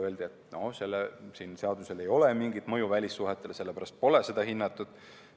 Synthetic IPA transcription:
øld̪iet̪no̞̰se̞lːesinse̞ɑd̪use̞le̞jo̞lemiŋɡid̪̥mɤjuvælʲisːuɦet̪ːˑe̞lse̞lːepæɾɑst̪̚po̞le̞se̞d̪ɑɦinːɑt̪ːˑud̪̥

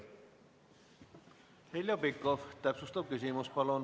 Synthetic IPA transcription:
helʲjobikːˑoft̪æpsust̪ɑb̥̚kys̬ʲimuspɑlon

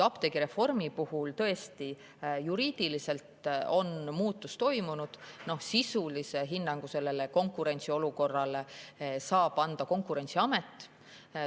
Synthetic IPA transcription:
ɑpt̪e̞ɡiɾe̞fo̞rmipuhult̪ɤ̞e̞st̪i | juɾiːd̪̥ilise̞lt̪o̞nmuːt̪ːˑust̪o̞jmunud̪̥no̞hsisulise̞ɦinːɑŋɡ̥use̞lːe̞le̞ko̞ŋkːˑuɾe̞nʲt̪sio̞luko̞rːɑlesɑːb̥ɑnd̪̥ɑko̞ŋkuɾe̞nʲt̪siɑme̞t̪ːˑ

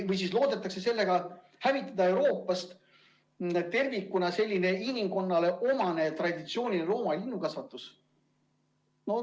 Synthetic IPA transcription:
vɯjs̬iːslo̞ːd̪̥e̞t̪ːˑɑkse̞se̞lːe̞ɡ̥ɑ | hævit̪ːˑɑd̪ɑe̞wɾo̞ːpːˑɑst̪ | t̪e̞rvikːˑunɑse̞lʲːine̞inʲimko̞nːɑle̞ʔo̞mɑne̞t̪rɑd̪ʲit̪sio̞ːnʲiro̞ːmɑlʲinːukɑsvɑt̪ːˑus | no

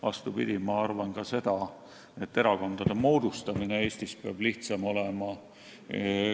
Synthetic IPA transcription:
vɑ̰st̪upḭd̪imɑɑrvɑnkɑse̞d̪̥ɑ | e̞t̪ːe̞ɾɑko̞nd̪̥ɑd̪̥e̞mo̞ːd̪̥ust̪ɑmine̞e̞ːst̪ispeɑb̥liht̪sɑmo̞le̞mɑ

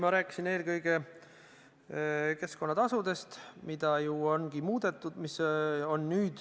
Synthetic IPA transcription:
mɑɾæːkːˑi̥sine̞ːlkɤjɡ̥e̞ | ke̞sko̞nːɑt̪ɑsud̪̥e̞st̪mid̪̥ɑjuo̞nɡ̥imuːd̪̥e̞t̪ːˑud̪̥miso̞nːyːd̪̥

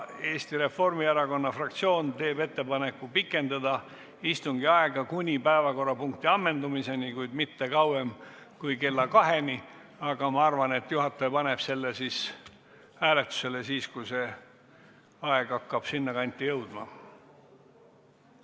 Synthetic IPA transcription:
e̞ːst̪iɾe̞fo̞rmieɾɑko̞nːɑfrɑkt̪sio̞ːnt̪e̞ːbe̞t̪ːe̞pɑne̞kːupikːˑe̞nd̪ɑd̪ɑ | ist̪uŋɡ̥iɑeɡɑkunʲipæevɑko̞rːɑpuŋkt̪iɑmːe̞nd̪umise̞nikujd̪̥mit̪ːe̞kɑwem | kujke̞lːɑkɑɦe̞ni | ɑɡ̥ɑmɑɑrvɑne̞t̪ːjuɦɑt̪ːˑepɑne̞b̥se̞lːesis | æːle̞t̪u̥se̞le̞siːskuse̞ | ɑeɡ̥ɑkːɑb̥sinːɑkɑnʲt̪ːˑijɤwd̪̥mɑ̰

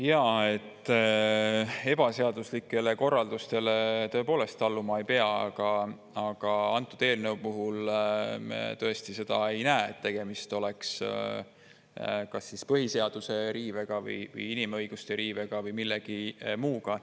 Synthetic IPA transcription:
jɑːe̞t̪ːˑ | e̞b̥ɑse̞ɑd̪̥uslikːˑe̞le̞ko̞rːɑld̪ust̪e̞le̞t̪ɤ̞e̞poːle̞st̪ɑlːumɑejpeɑɑ̰ɡ̥ɑ | ɑɡ̥ɑɑnt̪ːˑud̪̥e̞ːlneupuɦul | t̪ɤest̪ise̞d̪̥ɑe̞jnæːet̪ːe̞ɡ̥e̞mist̪o̞leks | kɑsːispɤɦise̞ɑd̪̥use̞ɾiːve̞ɡ̥ɑvɯ̰jvɯ̰jinimɤjɡ̥ust̪e̞ɾiːveɡ̥ɑvɯjmilːeɡ̥imuːɡ̥ɑ

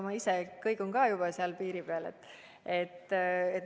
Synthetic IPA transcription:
mɑisekɤjkoŋkɑːjub̥ɑseɑlpiːɾipeɑlḛt̪ːˑ | et̪ːet̪

